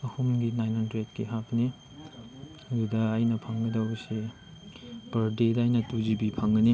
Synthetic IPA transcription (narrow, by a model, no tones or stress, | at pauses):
ɐhumɡinajnhɐndɾet̚kiɦapni | ɐdudɐːjnɐpʰɐŋɡɐdɐwɐse | pɐɾdedɐːjnɐtuzibipʰɐŋɡɐni